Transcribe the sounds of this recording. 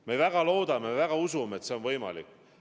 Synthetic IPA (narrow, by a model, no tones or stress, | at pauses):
meejvæɡ̥ɑlo̞ːd̪ɑmevæɡ̥ɑusumeet̪se̞o̞nvɤjmɑ̰lḭkː